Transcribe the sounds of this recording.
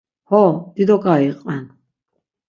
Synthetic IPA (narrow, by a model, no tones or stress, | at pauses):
hɔd̪̥id̪ɔɡaiqʼɛn